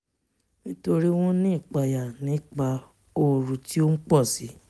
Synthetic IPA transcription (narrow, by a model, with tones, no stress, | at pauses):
nĩ˦to˧ɾi˦w̃ɔ̃˦nĩ˦i˦˨k͡pa˧ja˨nĩ˨˦k͡pa˧ | o˧ɾũ˧ti˦o˦n̩˦k͡pɔ˦˨si˨˦